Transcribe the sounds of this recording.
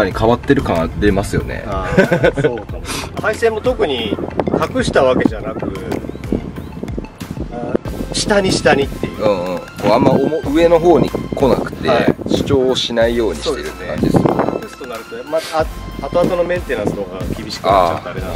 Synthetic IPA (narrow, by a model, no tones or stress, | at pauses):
aɲ̟ikʰaβat̪ːe̞ɾɯ̟kãad̪e̞masɨjo̞̰nḛ | haisẽ̞mːo̞t̪o̞kɯ̟ɲ̟ihakɯ̟ɕi̥t̪aβake̞ʑanakɯ̟ɯ̃ɴ | aɕi̥t̪aɲ̟iɕi̥t̪aɲ̟it̪ːejɯ̃ːɯ̃ːkoamːaomoʔɯ̟e̞no̞ɦo̞ːɲ̟iko̞na̰kɯ̟̥t̪e̞̰ɕɨ̥t͡ɕo̞ːɕinaijo̞ːɲiɕitt̪eɾɯkã̰ɲd͡ʑid̪soːnaɾɯ̟t̪oma | hat̪oat̪o̞no̞mẽ̞nt̪e̞nãsɨno̞ɡakʲibʲiɕi̥kat͡ɕat̪amea